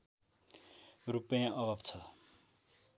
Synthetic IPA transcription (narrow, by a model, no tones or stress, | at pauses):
rupʌjãʔʌbʱabt͡sʰʌ